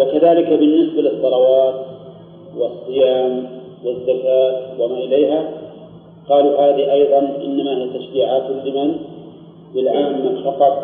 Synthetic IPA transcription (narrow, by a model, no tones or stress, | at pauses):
wɪkaðaːlɪkabɪnːɪsbalɪsˤːɑlɑwɑːt̪̚ | wɪsˤːɨjaːm | wɪzːakaːt̪wɪmaʔɪleːɦa | qɑːluhaːðiʔɑjðˤɑnʔɪ̰nːamaːhijat̪aʃɾiːʕaːt̪ɪlːɪman | bɪlʕaːmːafɑqɑt̪ˤ